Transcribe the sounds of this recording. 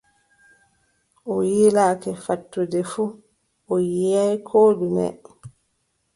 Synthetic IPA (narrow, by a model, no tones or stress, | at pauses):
ʔɔjilakɛfatːudɛfu | ʔɔjijajkʰoːdunɛ̰